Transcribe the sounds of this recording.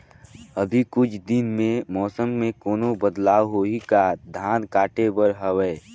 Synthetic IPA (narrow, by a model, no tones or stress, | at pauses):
əbʱikʊt͡ʃʰd̪ɪnmẽmɔːsəmːẽkoːnobəd̪laːwɦoːikad̪ʱaːnkaːʈebəɾɦəwɛː